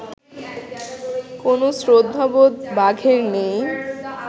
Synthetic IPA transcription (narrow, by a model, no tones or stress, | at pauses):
konosɾod̪ʱːabot̪baɡʱeɾnej